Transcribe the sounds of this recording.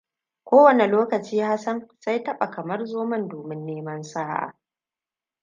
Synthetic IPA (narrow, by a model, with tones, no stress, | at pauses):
kʷoː˦wɐ˨ne˨loː˦kɐ˨t͡ʃiː˦ha˦sɐ˦nsa˦jtɐ˦ɓa˨kɐ˨mɐ˦rzoː˦mɐ˦ndoː˨mɪ˦nːeː˦mɐ˦nsaː˦ʔa̰ː˨